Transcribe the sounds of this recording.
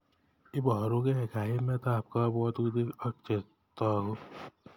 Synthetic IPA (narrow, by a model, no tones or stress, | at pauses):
ɪbɾõkeɦɪkʰaːimẽt̪aːp̚kabɔːt̪ud̪iəkt͡ʃə | t̪aɦoː